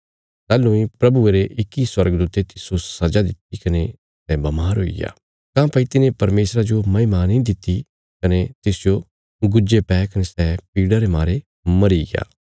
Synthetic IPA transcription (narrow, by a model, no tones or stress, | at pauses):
sɛːlũĩpɾɐbueɾeʔɪkːiswɐɾɡd̪uːt̪et̪ɪsosɐd͡ʒad̪ɪt̪̚ikɐne | sɛbɐmaːɾɦoːḭɡja̰ː | kãːpɐit̪ɪnẽpɐɾmeːsɾad͡ʒomɐimaːnĩd̪ɪt̪ːi | kɐnet̪ɪsd͡ʒo | ɡʊd͡ʒepɛːkɐnesɛpiːɽaɾemaːɾe | mɐɾiɡɪa̰ː